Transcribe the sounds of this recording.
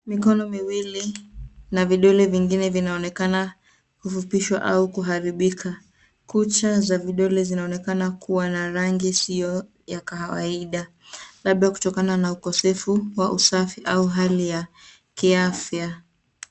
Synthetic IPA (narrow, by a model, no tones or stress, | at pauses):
mikɔnɔmiwilinaviɗɔlɛviŋɡinɛvinaɔnɛkana | kufupiʃwa̰ʔaukuɦaɾiɓikʰa | kut͡ʃazaviɗɔlɛzinaɔnɛkanakuwanaɾaŋɡisijɔ | jakaawa̰iɗa | laɓaku̥tɔkananaukɔsɛfuwaʔusafiʔauɦalija | kiafja